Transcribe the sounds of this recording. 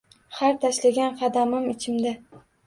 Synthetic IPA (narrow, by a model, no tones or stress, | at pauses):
haɾt̪ʰaʃlaɡʲanqʰɑd̪amɪmɪt͡ʃʰɪmd̪a